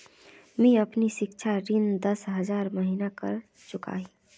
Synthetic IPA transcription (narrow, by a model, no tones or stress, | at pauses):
mĩəpniʃɪkt͡ʃʰaɾɪnd̪əsɦəzaːɾməɦinakə̰ɾ | t͡ʃʊka̰ːɦi